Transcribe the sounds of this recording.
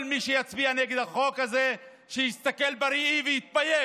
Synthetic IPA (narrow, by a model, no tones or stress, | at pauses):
lmiʃejat͡sbianeɡed̪aχo̞kaze | ʃejist̪ake̞lbaɾiivejit̪̚baje